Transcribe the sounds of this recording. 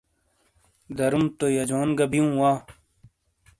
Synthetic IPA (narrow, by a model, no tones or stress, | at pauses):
d̪ɐɾumt̪ojɐd͡ʑoːnɡɐbijũːwaː